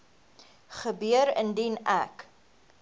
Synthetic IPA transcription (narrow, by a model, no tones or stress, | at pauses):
χəbyəɾə̰ndinæ̰k